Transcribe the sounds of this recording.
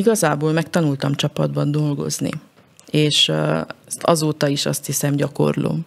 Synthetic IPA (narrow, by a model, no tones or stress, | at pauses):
iɡɒzaːboːlmɛkt̪ɒnult̪ɒmt͡ʃɒpɒd̪bɒnd̪o̞lɡo̞̰znḭ | eːʃɛst̪ɒzoːt̪ɒiʃɒ̰st̪hisɛmɟɒko̞̰rlo̰ː